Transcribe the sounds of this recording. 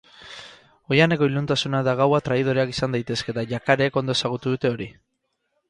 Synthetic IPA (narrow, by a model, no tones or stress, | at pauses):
o̞jane̞ko̞ilunt̪asunaðaɣawat̪ɾaiðo̞ɾeaki̥sand̪ajt̪e̞ske̞t̪aʝakaɾeːko̞nd̪o̞e̞saɣ̞ut̪uðut̪e̞o̞ɾi